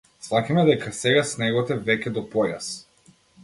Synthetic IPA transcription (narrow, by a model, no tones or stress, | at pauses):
slˠakamɛd̪ɛkasɛɡasnɛɡɔt̪ɛvɛcʲɛd̪ɔpɔja̰s